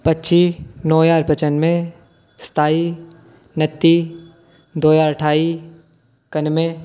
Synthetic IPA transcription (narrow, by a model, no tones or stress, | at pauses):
pɐtːʃinɔːjaːɾpət͡ʃənmẽ | st̪ʰaːi | nɐt̪ːi | d̪oːjaːɾəʈʰaːi | kɐnmẽ